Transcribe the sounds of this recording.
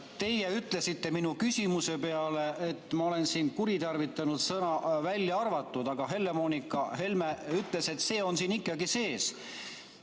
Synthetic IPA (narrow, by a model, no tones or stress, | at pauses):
t̪e̞jeyt̪ˑle̞sit̪ːe̞minukysʲimuse̞peɑle̞ʔet̪ːˑmɑo̞le̞nsiːnkuɾit̪ɑrvit̪ːˑɑnud̪̥sɤnɑvælʲːjɑɑrvɑt̪ːˑud̪̥ɑɡ̥ɑɦe̞lːe̞mo̞ːnikˑːɑhe̞lmeyt̪ːˑle̞se̞t̪ːse̞ːo̞nsiːnikˑːɑɡise̞ːs